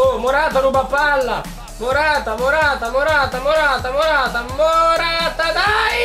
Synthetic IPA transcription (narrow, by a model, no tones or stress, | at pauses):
omoɾat̪anubapːalːa̰ | moɾat̪amoɾaːt̪amoɾaːt̪amoɾat̪amoɾat̪amoɾat̪ad̪a